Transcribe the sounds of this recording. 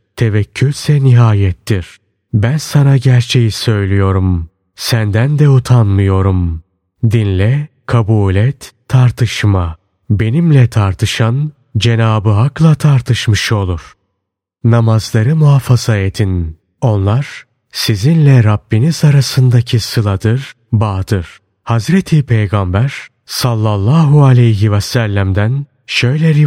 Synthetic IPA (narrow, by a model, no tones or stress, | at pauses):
t̪ʰe̞vɛcʰːylʲsɛniɦaːjɛt̪ːiɾ̥ | bænsanaɟæɾt͡ʃʰe̞jisø̞jlʲijo̞ɾum | sænd̪ænd̪ɛut̪ʰanmɯjo̞ɾum | d̪inlʲɛ | kʰabuːlʲɛt̪ʰːaɾt̪ʰɯʃma | be̞nimlʲɛt̪ʰaɾt̪ʰɯʃan | d͡ʒe̞naːbɯɦaklˠat̪ʰaɾt̪ʰɯʃmɯʃo̞lˠuɾ̥ | namazlˠaɾɯmuafaz̥aet̪ʰin | o̞nlˠaɾ̥ | sizinlʲɛɾabːinizaɾasɯnd̪acʰisɯlˠad̪ɯɾ | baːd̪ɯɾ̥ | hazɾet̪ʰipʰejɡambæɾ̥ | salˠːalˠːaːɦualʲɛjɦivɛsælʲːæmd̪æn | ʃø̞jlʲɛɾi